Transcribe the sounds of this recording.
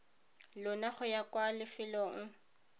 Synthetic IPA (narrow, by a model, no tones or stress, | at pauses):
lʊnaχʊjakʼwalɪfɪlɔŋ̩